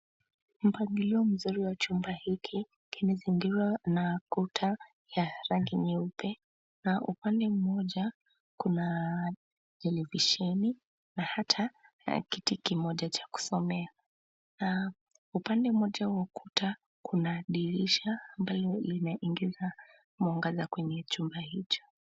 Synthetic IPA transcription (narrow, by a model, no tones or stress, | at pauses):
m̩paɡiliɔm̩zuɾiwat͡ʃumbahikʰi | kʰinɛziŋɡizwanakutʰa | jaɾaŋɡiɲɛupɛ | naʔupandɛmumɔʄa | kuna | tɛlɛviʃɛni | nahatʰa | kitikimɔʄat͡ʃḁku̥sɔmɛa | na | upandɛumɔʄawakutʰa | kʰunaɗiɾiʃaːmbalɔlinaʔiŋɡiza | muaŋɡazakwɛɲɛt͡ʃumbahit͡ʃɔ̥